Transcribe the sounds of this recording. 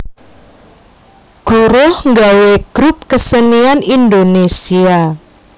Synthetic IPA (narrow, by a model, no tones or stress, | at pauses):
ɡ̥uɾʊhŋɡaweɡ̥ɾup̚kəsənianindonesia